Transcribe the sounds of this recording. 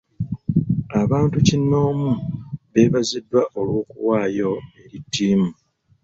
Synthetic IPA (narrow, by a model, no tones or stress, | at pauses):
aβaːntucinːo̞ːmuβe̞βazidːwaʔo̞lwo̞ːkuwaːjo̞e̞ɾitːiːmu